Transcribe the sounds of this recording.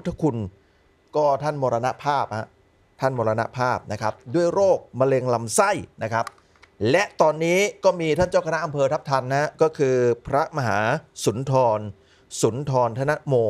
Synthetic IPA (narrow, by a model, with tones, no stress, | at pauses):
t̪ʰːa˧˩kʰu˧n | kɔː˥˩t̪ʰa˥˩nmoː˧ɾa˧na˦˥ʔpʰaː˥˩p̚ha˦˥ʔ | t̪ʰa˥˩nmoː˧ɾa˧na̰˦˥ʔpʰaː˥˩p̚na˦˥kʰɾa˦˥p̚du˥˩əjɾoː˥˩k̚ma˧le˧ŋla˧msa˥˩jna˦˥kʰa˦˥p̚ | lɛ˦˥ʔt̪ɔː˧nːiː˦˥kɔː˥˩miː˧t̪ʰa˥˩nt͡ɕaː˥˩wkʰna˦˥ʔa˧mpʰɤː˧t̪ʰa˦˥p̚t̪ʰa˧nːa˦˥kɔː˥˩kʰɯː˧pʰɾa˦˥ma˧ɦa̰ː˩˦su˩˦nt̪ʰɔː˧n | su˩˦nt̪ʰɔː˧nt̪ʰa˧˥˩na˦˥ʔmoː˧